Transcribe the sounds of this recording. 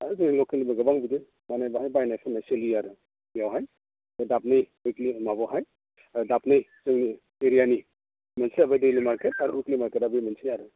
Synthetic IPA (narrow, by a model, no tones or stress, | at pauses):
aɾzɯŋilɔkelibaɡɐbaŋbidi | manajbaɦajbajnajsʰanajselijaɾɯ | ijawɦaj | bajdap̚nɯj | ɔjklimabɔɦaj | dap̚nɯjt͡ʃɯŋni | eɾijani | mansiabajdelimaɾketaɾuuklimaɾketabɯjmansijaɾɯ